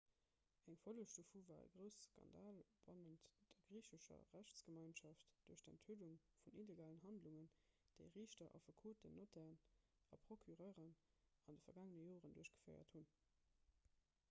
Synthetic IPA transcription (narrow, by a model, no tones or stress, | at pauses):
æŋfɐluʃtofuːvaːʁə̰ɡʁəʊsskʰɑ̰ndaːlb̥ɑnəntd̥əɡ̥ʁiːɕəʃɐ̰ʁæɕsɡ̥əmɑɪnʃɑftd̥uɐɕd̥əntʰuːduŋ | funileɡaːlənɦɑndluŋən | d̥əɪʁiːɕtɐʔɑ̰fɐkʰuːtənotæn | ɑpʰʁ̥okʰyʁɜːʁən | ɑndəfɐɡaːŋənəjoːʁənduɐɕɡ̥ə̥fɜɪɐ̰thun